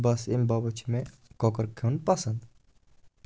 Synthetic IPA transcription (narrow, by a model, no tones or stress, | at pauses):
bɐsɪmbabət͡ʃʰmẽkoːkəɾkʰenpɐsənd̪